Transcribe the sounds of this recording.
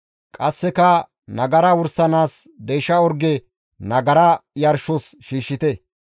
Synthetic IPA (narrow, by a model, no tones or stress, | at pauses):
kʼɐsːɛkɐ | nɐɡɐɾɐwʊɾsɐnaːs | d̪ɛjʃɐɔɾɡɛ | nɐɡɐɾɐjɐɾʃɔsʃiːʃːɪt̪ɛ